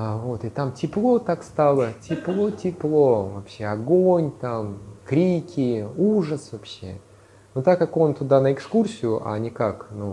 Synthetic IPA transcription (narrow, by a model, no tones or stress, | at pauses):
avo̞t̪ɪt̪amtʲɪplˠo̞t̪akst̪alˠətʲɪplˠo̞tʲɪplˠo̞vɐpɕːe̞ɐɡonʲt̪amkɾʲikʲɪuʐəsvɐpɕːe̞̰ | nʊt̪ːakːako̞nt̪ʊd̪anəɪkskursʲɪjʊʔa̰nʲɪkaknu